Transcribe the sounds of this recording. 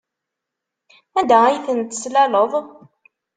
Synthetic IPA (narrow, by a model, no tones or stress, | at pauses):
æd̪ææjθənt̪əslæləðˤ